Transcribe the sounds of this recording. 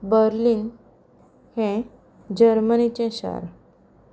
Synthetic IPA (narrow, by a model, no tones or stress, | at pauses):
bəɾliːn | hɛ̃ | d͡ʑəɾmənit͡ɕɛ̃ɕa̰ɾ